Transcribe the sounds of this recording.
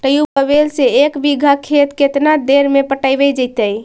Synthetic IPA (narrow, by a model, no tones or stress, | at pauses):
ʈəjupəβelseekbiɡʱəkʰet̪ket̪nad̪eɾmepəʈajbɛd͡ʒəjt̪əj